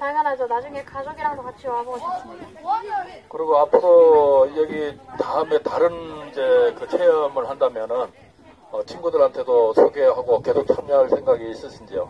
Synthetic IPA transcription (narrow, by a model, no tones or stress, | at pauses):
taŋanɦad͡ʑonad͡ʑuŋe̞kad͡ʑoɡiɾaŋdokat͡ɕʰioaboɡʌɕʰip̚s͈ɯmɲida | kɯɾiɡoapʰɯɾojʌɡitaɯme̞taɾɯnid͡ʑe̞kɯt͡ɕʰe̞ʌmɯɭhandamjʌnɯn | ʌt͡ɕʰinɡudɯɭɦantʰe̞dosʰoɡe̞ɦaɡoke̞sʰok̚t͡ɕʰamɲʌɦaɭsʰe̞ŋɡaɡiːs͈ɯsʰind͡ʑio